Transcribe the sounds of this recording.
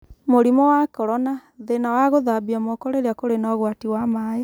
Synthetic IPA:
moɾimɔwakɔɾɔnaðenawaɣoðabiamɔkɔɾeɾeakoɾenɔɣwatiwamaːje

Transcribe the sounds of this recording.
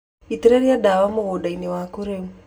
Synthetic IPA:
it̪iɾeɾiadawamoɣodainiwakuɾeu

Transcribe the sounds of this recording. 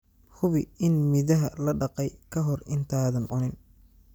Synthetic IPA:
hʊβɪɪnmɪðɐɦɐlɐɖɑqɛjkʰɐɦɔrɪnt̪ʰaːðɐnʕʊnɪn

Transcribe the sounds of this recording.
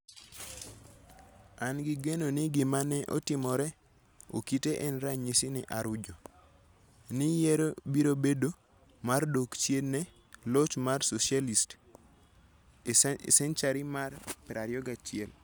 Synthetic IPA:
anɡɪɡenoniɡɪmanɛʔo̰tɪmɔɾɛ | o̰kiteʔɛnɾaɲisɪnɪʔaɾʊd͡ʒo | nijɛɾobiɾobedo | mardokt͡ʃjednɛ | lɔt͡ʃmarsosjalist | sɛnt͡ʃaɾimarpɪɾaɾjɔɡat͡ʃɪɛl

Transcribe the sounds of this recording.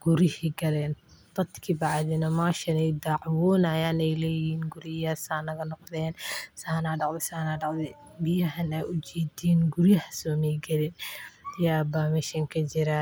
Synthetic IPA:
ɡ̥ʊɾɪhiɡɐlɛːnd̪̥ɐd̪kʰibɑʕðɪnɐmaːʃɐnɛjd̪aʕwɔːnɐjaːnɛjlɛjhiːnɡʊɾɪjɐsaːnɐɣɐnɔqd̪ɛːnsaːnaːɖɑʕd̪ɪsaːnaːɖɑqd̪ɛ | bɪjɐɦɐnɐʔʊd͡ʒɛːd̪iːnɡʊɾɪjɐhɐsɔːmɛjɡɐlɪnjaːbaːmɛʃɐŋkʰɐt͡ʃɪɾɐ

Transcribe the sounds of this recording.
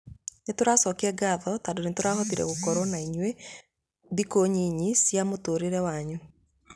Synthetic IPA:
netoɾasɔkɛɡaðɔtadonetoɾahɔtiɾɛ̰ɣokɔɾɔnaiɲwe | ðikoɲiɲisjamotoːɾeɾɛwaɲu

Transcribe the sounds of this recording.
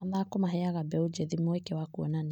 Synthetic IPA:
aðakɔmaɦɛaɣabɛud͡ʒɛðimoekewakuɔnan

